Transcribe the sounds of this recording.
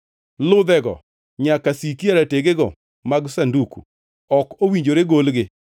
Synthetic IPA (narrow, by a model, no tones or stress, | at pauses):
lʊd̪ɛɡɔ̰ | ɲakasikiaɾateɡeɡɔ | maɡsandukṵ | ɔkowiɲd͡ʒoɾeɡolɡɪ